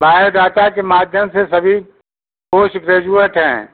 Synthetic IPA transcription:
baːeɖ̪aːt̪akemaːd̪ʱjəmsesɐbʱi | poːʃɡɾeːd͡ʒuəʈɦɛ̰̃ː

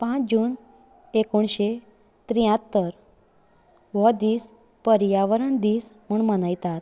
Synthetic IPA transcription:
pãt͡sd͡ʑuːn | ekoɳɕe | t̪ɾijãt̪ːəɾ | ʋɔd̪iːs | pəɾjaʋəɾəɳd̪iːsm̤uɳmənajt̪at̪̚

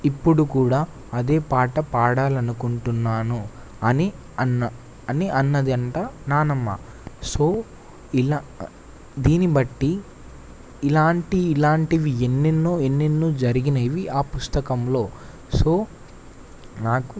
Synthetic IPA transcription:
ipːuɽukuːɽaː | ɐd̪e̞ːpaːʈɐpaːɽaːlɐnukuɳʈunːaːnu | ɐni | ɐnːɐ | ɐniʔɐnːɐd̪iɐɳʈaːnaːnɐmːa̰ː | so̞ː | ila | d̪iːnibɐʈːi | laːɳʈiːlaːɳʈiʋienːinːoːenːinːuːd͡ʒɐɾiɡinɐjʋiʔaːpust̪ɐkɐmlo̞ː | so̞ː | naːku

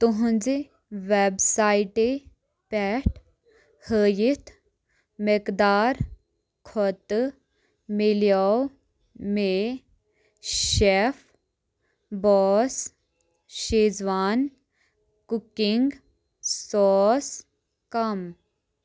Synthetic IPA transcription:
t̪uɦũnd͡zi | ʋebsaːiʈe | pɛʈ | həːjit̪ʰ | mekd̪aːɾ | kʰɔt̪ | miljaw | me | ʃef | bɔːs | ʃezʋaːn | kukiŋɡ | sɔːs | kɐm

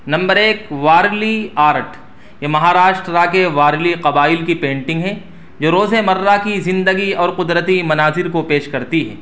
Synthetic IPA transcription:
nɐ̃mbəɾeːkʋaːɾliaːɾʈ | jemɐɦaːɾaːʃʈɾakeʋaːɾliqɐbaːɪlkipẽːɳʈɪ̃ŋɡɦɛ | d͡ʒoːɾoːzemɐɾːakizɪ̃nd̪əɡiɔːɾqʊd̪ɾət̪imɐnaːzɪɾkopeːʃkɐɾt̪iɦɛ̰ː

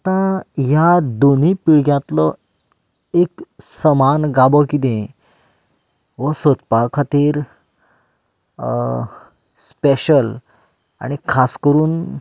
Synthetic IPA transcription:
t̪ãjad̪on̤ipiɭɡjat̪lɔ | eksəmanɡabɔkit̪ẽ | ʋəsot̪pakʰat̪iːɾ | speɕəl | a̰ɽ̃ikʰaskəɾuːn

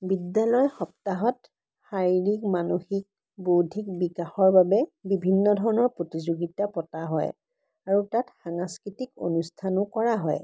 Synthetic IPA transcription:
bidalɔjxɔp̚taɦɔt | xaɹiɹikmanuxik̚ | bodʱik̚bikaxɔɹbabɛbibʱinːɔdʱɔɹɔnɔɹpɹotizoɡitapɔtaɦɔ̰j | aɹutatxaŋskɹitiko̰nustʰanʊkɔɹaɦɔj

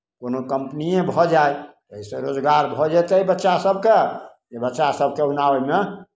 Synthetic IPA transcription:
konokəmpnijẽbʱɔd͡ʒajt̪əisẽɾod͡ʒɡaɾbʱɔd͡ʒat̪əibətːʃasəbʱke | ebətːʃasəb̚ʱkeunaəme

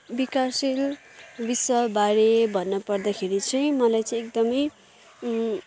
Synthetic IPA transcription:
bikasil | biswʌbaɾebʱʌnːʌpʌrd̪akʰeɾit͡sʰʌj̃mʌlajt͡sʌ̃ĩek̚d̪ʌmʌj

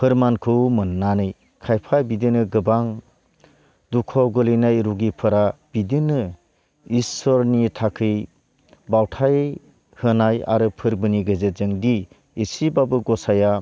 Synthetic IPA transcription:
pʰɯɾmankʰɯwmɯnːanɯj | kʰajpʰajbidinɯɡɯbaŋ | dukʰɔɡɯlɯnajɾuɡipʰɯɾab̥idinɯ | isɔɾnitʰakʰɯj | bawtʰaj | hɯnaja̰ɾɯpʰɯɾbɯniɡɯzetzɯŋdiː | sibabɯɡɔsaja

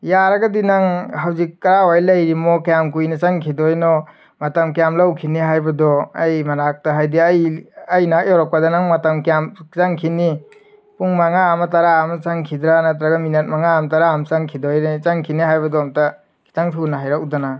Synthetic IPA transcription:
jaɾaɡadinaŋɦawzikːɐɾawajlɐjɾimɔkejamkujnat͡ʃaŋkʰidɔjnɔ | matamkejamlawkʰiniɦajbadɔajmanak̚taɦajdiajajnak̚jɔɾɔk̚padɔnaŋmatamkijamsaŋkʰini | puŋmaŋaːmataɾaːmɐt͡ʃaŋkʰidɾanatɾaɡaminat̚maŋaːmtaɾaːmt͡ʃaŋkʰidɔjɾet͡ʃaŋkʰinihajbɐdɔmta | kʰi̥taŋtʰunaɦajɾak̚udana

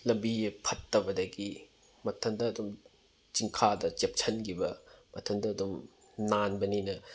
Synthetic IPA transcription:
lɐmbipʰɐtːɐbɐdɐɡi | mɐtʰɐndɐːdum | t͡ʃiŋkʰadɐt͡ʃep̚t͡ʃʰɐnɡʰibɐmɐtʰɐndɐːdum | nanbɐninɐ

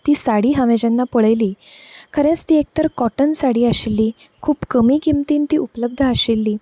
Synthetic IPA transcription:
t̪iːsaɽiːɦaʋed͡ʑãnːapəɭəjliːkəɾẽt͡st̪iːek̚t̪əɾkɔʈənsaɽiːaɕilːiː | kʰuːpkəmiːɡimt̪iːnt̪iːupləb̚d̪ʱəaɕilːiː

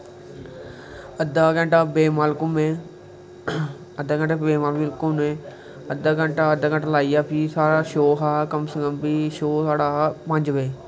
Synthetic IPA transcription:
əd̪aːkə̃ɳʈaːbeːmaːlkʊmeː | əd̪aːɡə̃ɳʈaːbeːmaːlbɪlkʊmẽː | əd̪aːɡə̃ɳʈaːəd̪aːɡə̃ɳʈalaːijaːpʰiːsaːɽaːʃoːɦaːkəmsəkəmbiːʃoːsaːɽaːpəɲd͡ʒbeː

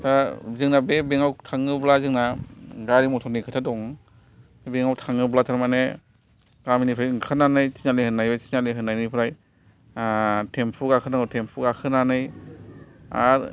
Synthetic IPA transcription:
tazɯŋnabebeŋawtʰaŋɯblazɯŋnaɡaɾimɔtʰɔnikʰɯtʰadɔŋ | beŋawtʰaŋɯblataɾmane | kɾaminipʰɾajɯŋkʰananɯjsinalehɯnːajbajsinaleɦɯnːajnipʰɾaj | tʰempʰukakʰɯnaŋɔtʰempʰukakʰɯnanɯj | a̰ɾ

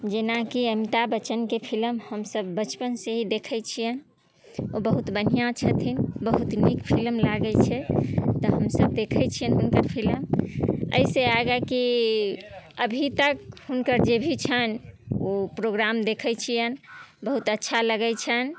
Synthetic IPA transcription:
d͡ʒenakiəmit̪abət͡ʃənkepʰilmhəmsəbːət͡ʃpənseɦid̪ekʰəjt͡ʃʰijən | obəɦut̪bən̤ijãt͡ʃʰət̪ʰinbəɦut̪nikpʰilmlaɡət͡ʃʰɛt̪əɦəmsəb̚d̪ekʰət͡ʃʰijənɦunkəɾpʰilmə̰iseaɡaki | əbʱit̪əkhunkəɾd͡ʒebʱit͡ʃʰənopɾoɡɾamd̪ekʰɛt͡ʃʰijənbəɦut̪ətːʃʰaləɡɛt͡ʃʰən

